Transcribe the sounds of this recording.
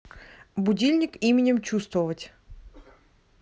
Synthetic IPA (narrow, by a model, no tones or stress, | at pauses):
bʊdʲilʲnʲɪkimʲɪnʲɪmt͡ɕust̪vəvətʲ